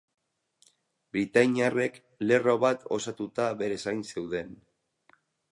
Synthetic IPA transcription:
bɾit̪aɲiare̞k | le̞ro̞βat̪o̞̰sat̪ut̪aβe̞ɾe̞sajnse̞wðe̞n

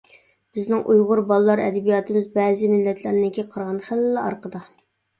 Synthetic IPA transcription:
b̥ɪznɪŋʔujʁʊɾbɑlˠəlːˠɑɾɛ̰d̪ɛbijɑt̪ʰɪmɪzbɛːzɪmɪlːɛt̪ʰlæɾnɪkʲiqʰɑɾʁɑnχælːɛɑ̰ɾqəd̪ɑ

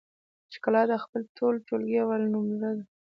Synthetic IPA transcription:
t͡ʃe̥kəlɑd̪əxpəlt̪ʰoltolɡiawalnumzad̪a

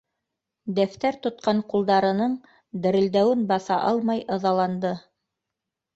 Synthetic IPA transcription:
d̪æft̪æɾt̪ŏt̪̚qɑɴqulˠd̪ɑɾɤ̆nɤɴ | d̪ɘ̆ɾɘ̆ld̪æwɘnbɑθɑʔɑlˠmɑjɤ̆ðɑlˠɑnd̪ɤ

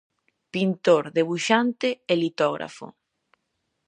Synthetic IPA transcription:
pint̪oɾðeβuʃant̪eelit̪ɔɣɾa̰fʊ̰

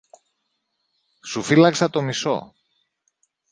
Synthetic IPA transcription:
sufilɐksɐt̪o̞miso̞̰

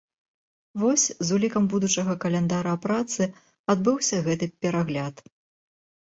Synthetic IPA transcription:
vɔsʲzulʲikɐmbud̪ut͡ʂɐɣɐkɐlʲɛnd̪aɾɐpɾat̪sɨ | ad̪bɨwsʲɐɣɛt̪ɨpʲɛɾaɣlʲat̪

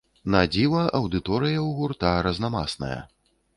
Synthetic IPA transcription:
nad͡zʲilɐʔɐwd̪ɨt̪ɔɾɨjɐwɣurt̪aɾɐznama̰snɐ̰jɐ̰

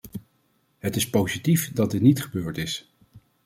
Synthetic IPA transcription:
ɦətɪspowzitifdɑd̚dɪtnitχəbøːɹtɪs

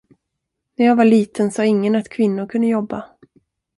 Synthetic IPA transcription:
næɾjaːvaɭiːt̪ʰənsɑːɪŋːənat̪kʰvɪnːʊɾkʰɵnd̪əjɔbːa

